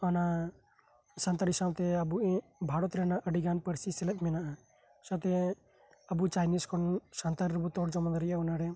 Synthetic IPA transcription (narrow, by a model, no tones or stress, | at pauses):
ɔna | sant̪aɾisabt̪ɛabuɛbʱaɽɔt̪ɾɛnaʔəɖiɡanpəɾsisɛlɛt̪̚mɛnaʔa | sat̪ɛ | əbut͡ʃajniskʰɔnsant̪aɾɾɛbut̪ɔɽd͡ʒɔmɔnd̪ɾɛjaɔnaɾɛ